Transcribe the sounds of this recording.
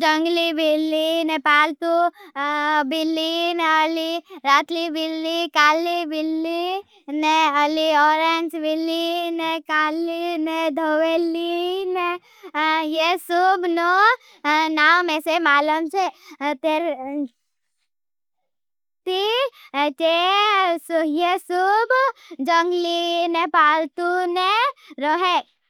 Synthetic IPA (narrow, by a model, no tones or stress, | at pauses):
d͡ʒəŋɡlibilːinepaːlt̪u | bilːinəliɾat̪libilːikaːlibilːi | neəliɔːɾend͡ʒbilːinekaːlined̪ʱəweline | jesubno | naːwmesemaːləmt͡ʃet̪eɾ | t̪i | ʈesjesubd͡ʒəŋɡlinepaːlt̪uneɾoɦe